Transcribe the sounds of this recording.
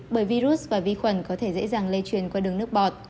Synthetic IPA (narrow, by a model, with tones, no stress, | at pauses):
ɓəː˧˩jvi˧zu˦˥s̚vaː˨˩vi˧xwə˧˩nkɔ˨˦t̪ʰe˧˩zə̰˧˥zaː˨˩ŋle˧t͡ɕwi˨˩ənkwaː˧ɗɨ˨˩əŋnɨ˦˥ək̚ɓɔ˨˩t̚